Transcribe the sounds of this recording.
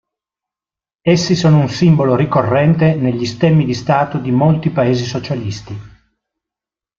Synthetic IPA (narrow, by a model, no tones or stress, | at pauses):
esːisoːnounsimboloɾikorːɛnt̪eneʎːist̪ɛmːid̪ist̪aːt̪od̪imolt̪ipaeːzisot͡ʃalist̪i